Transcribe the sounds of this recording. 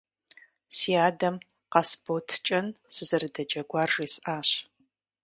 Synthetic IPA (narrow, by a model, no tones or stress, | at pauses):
siaːdɐm | qɑsbotʰt͡ʃʼɐnsɨzɨrdɐd͡ʒɐɡʷaːrʐiːsʔaːɕ